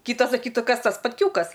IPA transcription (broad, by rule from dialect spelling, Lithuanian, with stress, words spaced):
ˈkʲiːtɐs sɐˈkʲiːtuː ˈkɐs ˈtɐs spɐtʲˈkʲuːkɐs